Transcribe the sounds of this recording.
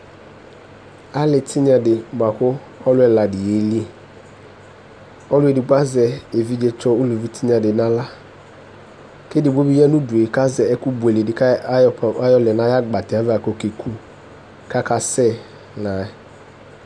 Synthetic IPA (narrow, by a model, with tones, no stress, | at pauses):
a˦lɪ˨tʰɪ˦ɲ˦a˨dɪ˨ba˨kʊ˦ | ɔ˦lʊ˦ɛ˨la˨dɪ˨je˨˦li˦e˨ | ɔ˦lʊ˦e˨dɪ˨ɡ͡ba˦zɛ˨e˨vi˦d͡ʒe˦t͡ʃɔ˦u˦lu˨vi˦tʰi˦ɲ˦ã˨dɪ˨nã˦la˦ | ke˦dɪ˨bo˦bi˦jɛ˦nʊ̃˦du˨e˨ka˦zɛ˨ɛ˦ku˦bu˨e˨le˨dɪ˨ka˦˨a˦jɔ˦lɛ˨nã˨˦ja˦ɡ͡ba˨tɪ˨a˦va˨ko˨ke˨kʰu˦ | ka˦ka˦sɛ˦ | na˨